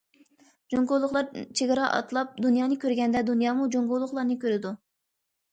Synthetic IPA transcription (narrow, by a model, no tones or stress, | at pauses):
d͡ʒoŋɡolˠːʊχlˠɑɾt͡ʃʰeɡʲəɾɑʔɑ̰t̪ʰlˠɑp̚d̪unjɑːnɨkʲʰøɾɡʲɛnd̪ɛd̪unjɑːmud͡ʒoŋɡolˠːʊχlˠɑɾnɨkʲʰøɾɪd̪u